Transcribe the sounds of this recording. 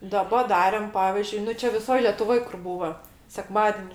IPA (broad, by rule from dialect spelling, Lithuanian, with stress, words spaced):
ˈdɑːbɐ ˈdɑːrʲeːm ˈpɑːʋʲɪzʲd͡ʒʲʊɪ ˈnʊ ˈt͡ʃʲɛ ʋʲɪˈsoːj lʲɛtʊˈʋoːj kʊr ˈbuːʋɐ sʲɛˈkmɑːdʲɛnʲɪ